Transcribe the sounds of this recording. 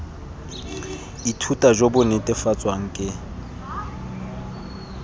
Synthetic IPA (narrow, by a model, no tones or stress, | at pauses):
itʰutʼad͡ʒobʊnɛtʼɪfat͡sʼwaŋ̩kʼɪ